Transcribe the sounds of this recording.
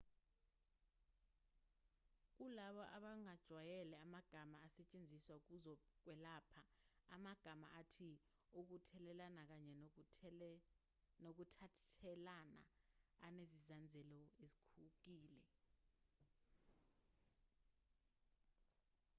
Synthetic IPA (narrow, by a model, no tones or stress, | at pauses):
k̬ulaɓɔʔaɓaŋad̥ʒ̥ʱwajɛlɛamaɡ̥ʱamaːsɛt͡ʃʼend͡zʱiswauk̬uzɔk̬wɛlaːpʰaamaɡ̥ʱama̰ʔatʰi | uk̬utʰɛlɛlanak̬aɲɛ | nok̬utʰaɛlana̰ːnezizand͡zʱɛlɔezikʰuk̬iːlɛ